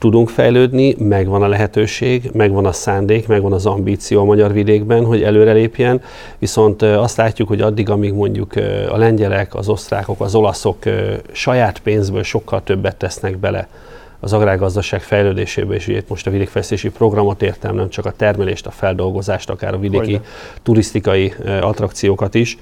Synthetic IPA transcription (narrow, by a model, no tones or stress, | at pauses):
t̪ud̪uŋkfɛjløːd̪nimɛɡʋɒnɒlɛɦɛt̪øːʃeːɡmɛɡʋɒnɒsaːnd̪eːkmɛɡʋɒnɒzɒmbiːt̪sijoːmɒɟɒrvid̪eːɡbɛnɦo̞ɟɛløːɾɛleːpjɛn | viso̞nt̪ɒst̪laːcːukho̞ɟɒd̪ːiɡɒmiɡmo̞ɲɟukɒ̰lɛɲɟɛlɛkɒ̰zo̞st̪ra̰ːko̞kɒzo̞lɒso̞kːʃɒjaːt̪peːnzbøːlʃo̞kːɒlt̪ø̞bːɛt̪ːɛsnɛɡbɛlɛ̰ | ɒzɒɡraːɡɒzd̪ɒʃaːkfɛjløːd̪eːʃḛːbɛeʃḛːt̪mo̞ʃt̪ɒvid̪eːkfɛlɛst̪eːʃipro̞ɡrɒmo̞t̪eːrt̪ɛmnɛmt͡ʃɒkɒt̪ɛrmɛlḛːʃt̪ɒfɛld̪o̞lɡo̞zaːʃt̪ɒka̰ːɾɒvid̪eːki | t̪uɾist̪ikɒjiɒt̪rɒkt̪sijoːkɒt̪iʃ